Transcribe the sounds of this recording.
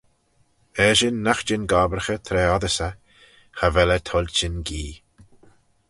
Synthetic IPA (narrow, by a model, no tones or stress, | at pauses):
ɛʒɪnːaxd͡ʒɪnɡaːbəɾxət̪ʰɾɛːɔðəsə | xavɛlət̪ʰɔlʲt͡ʃɪnɡiː